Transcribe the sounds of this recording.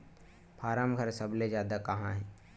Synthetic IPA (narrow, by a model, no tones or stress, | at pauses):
pʰaːɾaːmɡʱəɾsəbled͡ʒjaːd̪akɐɦãɦɛː